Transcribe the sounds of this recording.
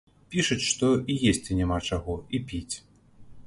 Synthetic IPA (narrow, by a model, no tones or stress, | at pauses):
pʲiʂɐt͡sʲʂt̪ɔijesʲt͡sʲinʲɛmat͡ʂaɣɔipʲit͡sʲ